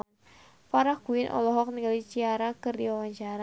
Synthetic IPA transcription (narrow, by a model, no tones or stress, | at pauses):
faɾahkuɪnʔɔ̰lɔɦɔk̚niɡalit͡ʃiaɾakɨrdiwawaɲt͡ʃaɾa